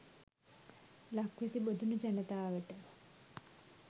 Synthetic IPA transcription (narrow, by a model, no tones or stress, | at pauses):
lakʋesibod̪ʱunəd͡ʒanət̪aːʋəʈə